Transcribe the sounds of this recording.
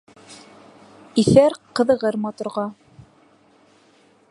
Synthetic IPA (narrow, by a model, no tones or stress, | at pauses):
iθæɾqɤ̆ðɤ̆ʁɤɾmɑt̪uɾʁɑ